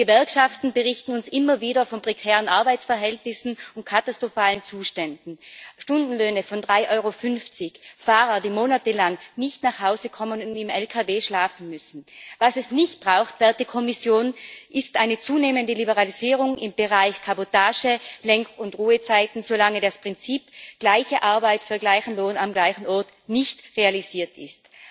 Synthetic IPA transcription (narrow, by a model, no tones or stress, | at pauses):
ɡ̥əvɛɐkʃaftn̩bəʁɪçtn̩ʊnsʔɪmɐviːɾɐfɔnpʁ̥ɛkʰɛːʁənʔaɐbaɪt͡sfɛɐɦɛltnɪsn̩ʊnt̚kʰatastʁ̥ofaːlənt͡suːʃtɛndn̩ʃtʊndn̩løːnəfɔndʁaɪʔɔʏʁofʏnft͡sɪçfaːʁɐdiːmoːnatəlaŋnɪçtnaχhaʊzəkʰɔmənʊndɪmɛlkʰaveːʃlaːfn̩mʏsn̩vasɛsnɪçt̚b̥ʁaʊxtv̥ɛɐt̚d̥iːkʰɔmɪsjoːnʔɪstʔaɪnət͡suːneːməndəlibəʁaliziːʁ̞ʊŋɪmb̥əʁaɪçkʰabotʰaːʒəlɛŋkʊntʁuːət͡saɪtn̩zolaŋədaspʁ̥ɪnt͡siːpɡ̥laɪçəʔaɐbaɪtfyːɐɡlaɪçn̩loːnamɡlaɪçn̩ɔɐt | nɪçtʁealiz̥iːɐtɪ̰st